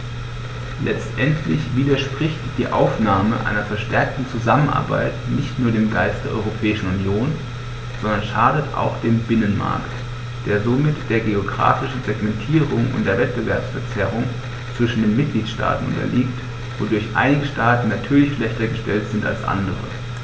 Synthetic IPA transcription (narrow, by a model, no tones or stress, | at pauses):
lʔɛt͡stʔɛntʰlɪçv̥iːdɐʃpʁ̥ɪçtd̥iːʔa̰ʊfnaːməʔa̰ɪnɐfɛɐʃtɛɐk̚tn̩t͡suzamənʔa̰ɐba̰ɪtnɪçtnuːɐɾeːmɡaɪst̚d̥eːɐʔɔ̰ʁopʰɛːɪʃn̩unjoːn | z̥ɔndɐnʃaːdətʔa̰ʊxd̥eːmbɪnənma̰ɐkt | d̥eːɐzomɪtd̥eːɐɡeoɡʁa̰ːfɪʃn̩zɛɡmɛntʰiːʁʊŋʊ̰ntd̥eːɐvɛt̚b̥əvɛɐpsfɛɐt͡sɛʁ̞ʊŋ | t͡sv̥ɪʃn̩deːnmɪt̚ɡ̥liːtʃta̰ːtn̩ʔʊ̰ntɐ̰lʔiːk̚t | vodʊɐçʔa̰ɪnɪɡəʃtaːtn̩natʰyːɐlɪçʃlɛçtɐɡəʃtɛltz̥ɪnta̰lsʔa̰ndəʁə̰